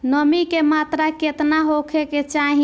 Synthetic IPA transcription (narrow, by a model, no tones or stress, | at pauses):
nəmikemat̪ɾaket̪naɦokʰeket͡ʃaɦi